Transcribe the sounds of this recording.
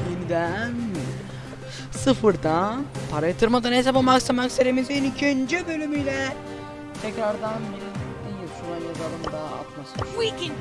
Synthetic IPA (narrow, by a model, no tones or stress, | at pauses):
jinid̪æn | sɯfɯɾd̪anpʰaɾajat̪ʰɯɾmad̪anɦes̬apamaksamakseɾemizinicʰønd͡ʒɛbø̞lʲymyjlʲɛ | t̪ʰɛcɾaɾd̪anbiɾi̥ | ijɯsuɾanjazaɾɯmd̪aa̰t̪masɯwikɛn